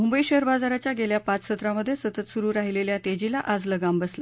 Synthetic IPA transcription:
mumbəiɕəɦəɾbad͡zaɾat͡ɕjaɡeljapat͡ssət̪ɾaməd̪ʱːjesət̪ət̪suɾuːɾaɦileljãt̪ed͡ʑilaʔad͡zləɡambəsla

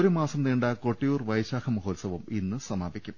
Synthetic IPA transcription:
oɾumaːsɐmniːɳɖɐkoʈːijuːrʋɐjɕaːkʰɐmɐɦoːlsɐʋɐminːɨsɐmaːbikʲːum

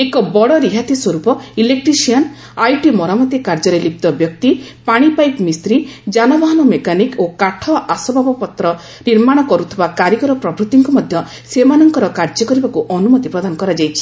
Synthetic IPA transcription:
ekɔbɔɽɔɾiɦat̪iswɔɾupɔilek̚ʈɾisiɔn | ajʈimɔɾamɔt̪akaɾd͡ʒɔɾelip̚t̪ɔbjɔkt̪ipaɽ̃ipajpmist̪ɾid͡ʒanɔbɔɦɔnɔmekanikokaʈʰɔʔasɔbʱabɔpɔt̪ɾɔ | niɾmaɽ̃ɔkɔɾut̪ʰibakaɾjikɔɾɔpɾɔbɾut̪iŋkumɔd̪ʱjɔ | semanɔŋkɔɾɔkaɾd͡ʒɔkɔɾibakuʔɔnumɔt̪ipɾɔd̪anɔkɔɾad͡ʒajt͡ʃʰi̥

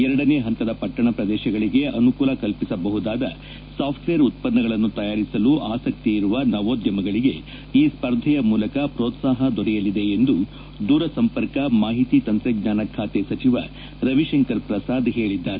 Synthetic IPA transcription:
ɛɾɐɽɐne̞ːɦɐnt̪ɐd̪ɐpɐʈːɐɳɐpɾɐd̪ɛːʃɐɡɐɭiɡe̞ʔɐnukuːlɐkɐlpisɐbɐɦud̪aːd̪ɐ̰ | saːpʰʈʋejɐɾut̪̚pɐnːɐɡɐɭɐnːut̪ɐjaːɾisɐluʔaːsɐk̚t̪iːɾuʋɐnɐʋoːd̪jɐmɐɡɐɭiɡe̞ | iːspɐɾd̪ʱɛjɐmuːlɐkɐpɾoːt̪saːɦɐd̪ʱɔɽɛjɐlid̪e̞ːnd̪u | d̪uːɾɐsɐmpɐɾkɐmaːɦit̪iːt̪ɐnt̪ɾeɡɲaːnɐkʰaːt̪esɐt͡ʃiʋɐ̰ | ɾɐʋiʃɐŋkɐɾpɾɐsaːd̪ɦe̞ːɭid̪ːaːɾe

